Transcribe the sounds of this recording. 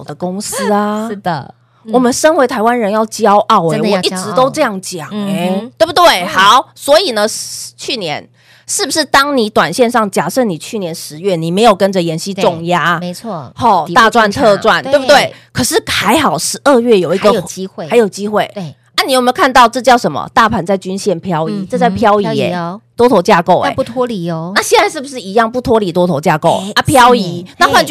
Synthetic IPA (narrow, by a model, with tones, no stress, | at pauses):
d̪ə˦˩kʊ˥ŋs̩˥a˧˩də˩ | wɔ˨˩mə˨˦nʂə˥nwe˧˥ɪt̪ʰa˧ɪwa˦˥nɻə˧˦njɑ˥˩ʊt͡ɕjɑ˥ʊʔɑ˥˩ʊwe˧˦ɪwɔ˨˧ʔi˥ʈ͡ʂɻ̩˧˥t̪o˥ʊʈ͡ʂɤ˥˧jɑ˥˩ŋt͡ɕjɑ̰˨˩ŋe˦ɪt̪we˥˩bu˩t̪we˥˩ɪhɑ˨˩˦ʊswɔ˧˥i˨˩nə˨t͡ɕʰy˥˩njɛ˧˦n | ʂɻ̩˥˩bu˧˩ʂɻ̩˥˩t̪ɑ˥ŋni˨˥t̪wa˨˩nɕjɛ˥˧nʂɑ˥˩ŋt͡ɕja˨˩ʂə˥˩ni˨˩t͡ɕʰy˥˩njɛ˨˧˦nʂɻ̩˧˦ɥɛ˥˩ni˨˩me˧˥ɪjo˨˩ʊkə˦nʈ͡ʂə˨jɛ˧˥nɕi˦˥ʈ͡ʂʊ˥˨˩ŋja˥mʰ˧˥˧hɔ˥˩t̪a˥˧ʈ͡ʂwa˥˧nt̪ʰɤ˥˧ʈ͡ʂwa˥˩nt̪we˥˩bu˩t̪we˥˩ɪkʰɤ˨˩ʂɻ̩˥˩ha˧˥ɪxɑ˨˩ʊʂɻ̩˧˥ʔə˥˧ɥɛ˥˩jo˨˩ʊi˧˥ɡə˧jxa˧˥ɪjo˨˩ʊt͡ɕi˦˥xwe˥˩ɪ | a˥˩ni˨˩jm˧˥kʰa˥˧nt̪ɑ˥˧ʊʈ͡ʂɤ˥˧t͡ɕjɑ˥˩ʊʂə˧˦nmə̰˨t̪a˥˩pʰa˨˩nt͡sa˥˩ɪt͡ɕy˥nɕjɛ˥˩npʰjɑ˥ʊi˧˥˦ʈ͡ʂɤ˥˧t͡sa˥˩ɪpʰjɑ˥ʊi˧˥ɛ̰˨˩t̪wɔ˥t̪ʰo˧˥ʊt͡ɕja˥˧ko˥˩ʊḛ˧˩˦t̪ʰwɔ˥li˨˩˧na˥˩ɕjɛ˥˧nt͡sa˥ɪʂɻ̩˥˩bu˨˩ʂɻ̩˥˩˨i˧˥jɑ˥˧ŋpu˥˩t̪ʰwɔ˥li˨˩t̪wɔ˥t̪ʰo˧˥ʊt͡ɕja˥˧ko˥˩ʊa˥˩pʰjɑ˥ʊi˧˦na˥˧xwa˥˧nt͡ɕ